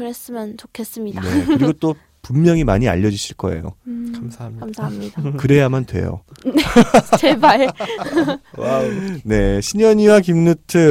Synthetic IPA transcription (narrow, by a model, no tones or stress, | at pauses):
kɯɾes͈ɯmjʌnt͡ɕokʰe̞s͈ɯmɲidane̞̰kɯɾiɡot͈o | pumːjʌŋima̰ɲia̰ʎːʌd͡ʑiɕʰiɭk͈ʌ̰e̞̰jo̰kasaamsʰaɦamɲidakɯɾe̞jamantwe̞̰jo̰net͡ɕeba | wane̞ɕʰiɲʌɲiwakimnutʰɯ